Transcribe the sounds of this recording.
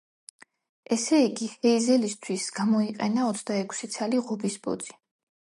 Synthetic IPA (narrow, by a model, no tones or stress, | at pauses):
ʔɛsɛiɡihɛizɛlist̪ʰwisɡamɔiqʼɛnaɔt̪sʰd̪aɛkʰsit̪sʰaliʁɔbisbɔ̰d̪z̥i̥